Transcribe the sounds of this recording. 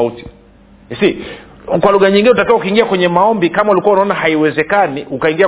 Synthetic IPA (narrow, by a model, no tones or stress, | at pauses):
uti̥ | si | kwaluɣaɲiŋɡinɛutakawaukiːŋɡiakwɛɲɛmaɔmbikamaulikuwaunaɔnahaiwɛzɛkaniʔukaiŋɡia